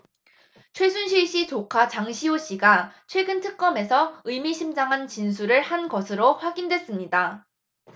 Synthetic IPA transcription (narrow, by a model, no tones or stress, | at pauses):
t͡ɕʰwe̞sʰunɕʰiɭɕ͈it͡ɕokʰat͡ɕaŋɕʰioɕ͈iɡat͡ɕʰweɡɯntʰɯk̚k͈ʌme̞sʰʌɯjmiɕʰimd͡ʑaŋɦant͡ɕinsʰuɾɯɭhanɡʌsʰɯɾoɸwaɡindwe̞s͈ɯmɲida